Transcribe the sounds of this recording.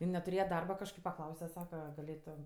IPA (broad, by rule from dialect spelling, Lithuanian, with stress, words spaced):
ɪn nʲɛtʊˈrʲeːjɛ ˈdɐrbɐ kɐʃˈkɐɪp pɐˈklˠɐʊsʲɛ ˈsɑːkɐ ɡɐˈlʲeːtoːm